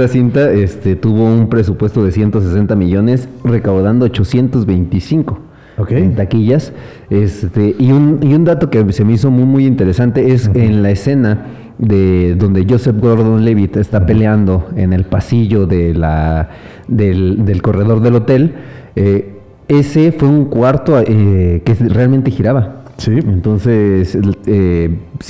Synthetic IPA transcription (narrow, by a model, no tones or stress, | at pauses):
asint̪ae̞st̪e̞t̪uβo̞umpɾe̞s̬upwe̞st̪o̞ðe̞sje̞nt̪o̞s̬e̞se̞nt̪amiʝo̞ne̞sre̞kawðand̪oot͡ʃo̞sje̞nt̪o̞zβe̞jnt̪isiŋko̞ | okent̪akiʝas | e̞st̪eʔiuniund̪at̪o̞kese̞meiso̞mumujint̪e̞ɾe̞sant̪e̞e̞senlaese̞na | ðe̞ðo̞nd̪e̞ʝo̞sefɡoɾðonleβit̪e̞st̪ape̞leand̪o̞e̞̰ne̞lpasiʝo̞ðela | ðe̞ld̪e̞lko̞re̞ð̞o̞ɾðe̞lo̞t̪e̞l | e | e̞se̞fwe̞uŋkwaɾt̪oʔekerealment̪e̞xiɾaβasient̪o̞nse̞se